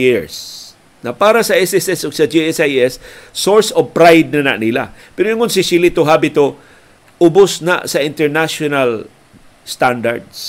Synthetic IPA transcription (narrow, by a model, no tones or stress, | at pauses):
ɪɹs | nɐpaːɾasɐɛsɛsɛsʊɡsɐd͡ʒiɛsajɛsːoɹsov̚pɾajd̪̚nana̰ʔnila̰pɛɾojʊŋonsɪsilit̪oɦabɪt̪o | ʔʊbʊsna̰ʔsɐʔɪ̃nt̪ɛɹnaʃonal | st̪and̪a̰ɹd̪s